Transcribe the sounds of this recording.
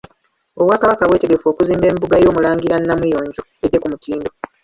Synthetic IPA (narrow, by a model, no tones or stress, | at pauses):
o̞βwaːkaβakaβwe̞ːte̞ɡe̞fo̞ːkuziːmbe̞ːmbuɡajo̞ːmulaːŋɡiɾanːamujo̞ːɲɟo̞e̞de̞kumutiːndo̞